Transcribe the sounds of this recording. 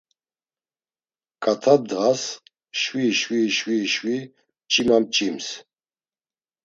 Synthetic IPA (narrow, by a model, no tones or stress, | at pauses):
kʼat̪ʰad̪ʁas | ʃwiʃwiʃwiʃwi | mt͡ʃʼimamt͡ʃʼims